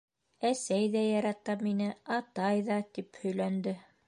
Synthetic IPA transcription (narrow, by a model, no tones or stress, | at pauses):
æsæjðæjɑɾɑt̪ɑminɘɑt̪ɑjðɑt̪iphɵ̆jlænd̪ɘ